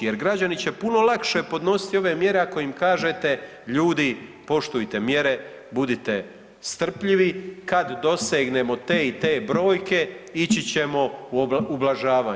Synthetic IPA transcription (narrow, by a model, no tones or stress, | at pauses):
jeɾɡɾad͡ʑanit͡ɕepuno̞lˠakʃe̞po̞d̪no̞si̥t̪io̞ʋe̞mje̞ɾe̞ako̞imkaːʒe̞t̪e̞ | ʎuːd̪ipo̞ʃt̪ujt̪e̞mje̞ɾe̞ | bud̪it̪e | st̪r̩pʎiʋikad̪d̪o̞seːɡne̞mo̞t̪eːit̪e̞ːbɾo̞ːjke̞it͡ɕit͡ɕe̞mo̞uublaʒaːʋaː